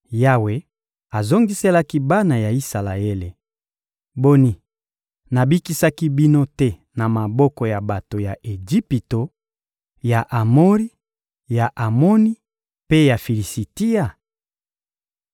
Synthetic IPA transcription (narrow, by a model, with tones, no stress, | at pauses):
ja˦we˨ | a˨zo˦ŋɡi˦se˦la˦ki˦ba˦na˨ja˨i˦sa˨la˨e˦le˨ | bo˦ni˦ | na˨bi˦ki˦sa˦ki˦bi˦no˦tɛ˦na˨ma˨bɔ˦kɔ˦ja˨ba˨to˨ja˨ʔe˨d͡ʒi˦pi˨to˨ | ja˨ʔa˨mo˦li˦ | ja˨ʔa˨mo˦ni˦ | pe˦ja˨fi˨li˨si˨ti˦ja˨